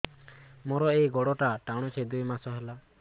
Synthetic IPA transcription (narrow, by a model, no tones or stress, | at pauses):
mɔɾɔejɡɔɽɔʈaʈaɽ̃ɔt͡ʃʰed̪ujmasɔɦela